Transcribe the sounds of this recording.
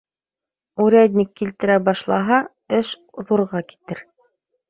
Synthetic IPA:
uɾæd̪ʲnʲikːilt̪ɘ̆ɾæbɑʃlˠɑɦɑ | ɘʃ | ðuɾʁɑki̥t̪ɘɾ

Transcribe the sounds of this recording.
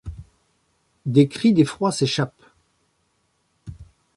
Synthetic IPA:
d̪ekχid̪efχwaseʃap

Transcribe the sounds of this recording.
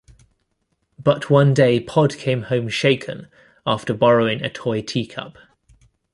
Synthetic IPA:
b̥ʌʔʰwʌ̃ndeɪpʰɒd̥kʰẽɪ̃mhə̃ʊ̃mʃeɪkʰə̰̃n | ɑˑftəbɒɹəʊɪ̃ŋə̰tʰɔɪtʰiːkʰʌ̰p

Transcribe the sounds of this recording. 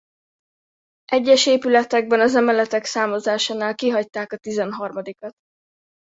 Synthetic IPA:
ʔɛɟːɛʃeːpylɛt̪ɛɡ̚bɛnɒzɛmɛlɛt̪ɛksaːmozaːʃaːnaːlkiɦɒc̚t̪aːkɒt̪izɛnɦɒrmɒd̪ikɒt̪

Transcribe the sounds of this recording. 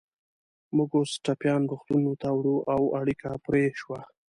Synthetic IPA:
muɡosʈapjɑnɾuxt̪unot̪awɽuʔawaɽikʰapɾeʃwa

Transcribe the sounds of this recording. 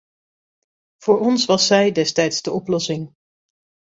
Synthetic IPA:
v̥ʊːɹɔnsʋɑsɛjdɛstɛjtsdəʔɔplɔsɪŋ

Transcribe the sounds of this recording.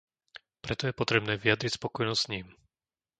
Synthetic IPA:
pɾɛt̪ɔjɛpɔt̪ɾɛbnɛːʋijad̪ɾicspɔkɔjnɔssɲiːm

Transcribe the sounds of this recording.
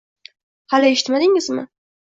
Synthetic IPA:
halɪeʃɪ̥t̪mad̪ɪŋɪzmɪ̰

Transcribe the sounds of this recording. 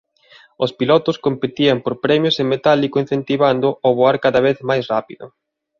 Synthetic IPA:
ospilɔt̪ʊskompet̪iɐmpoɾpɾɛmjosemet̪alikoin̟θent̪iβand̪ʊoβoaɾkaðɐβeθmajsrapiðʊ

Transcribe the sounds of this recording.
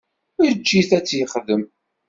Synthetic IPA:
ʊɾt͡ʃːiθæt͡sːjəχðəm

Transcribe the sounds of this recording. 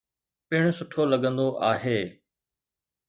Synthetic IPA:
pɪɽ̃ʊ̆sʊʈʰolɐɠə̃nd̪oʔaːɦeː

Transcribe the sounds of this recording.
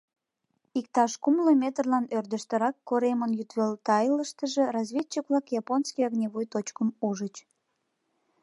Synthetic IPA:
ik̚t̪ɑʃkumlomʲet̪ərlɑnørd̪əʃt̪əɾɑkːoɾemənjyt̪βelt̪ɑjləʃt̪əʒerɑzvʲetːəkβlɑkjɑponskijɑɣnʲeβojt̪ot͡ɕkəmuʒət͡ɕ

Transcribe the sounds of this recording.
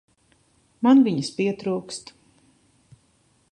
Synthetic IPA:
manviɲəspiɛt̪ɾuːkst̪

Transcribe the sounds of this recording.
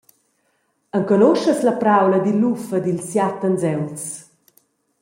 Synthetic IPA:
əŋkɔnoʃəslapɾawləd̪ilːufəd̪ilsjat̪ənzɛwt͡s

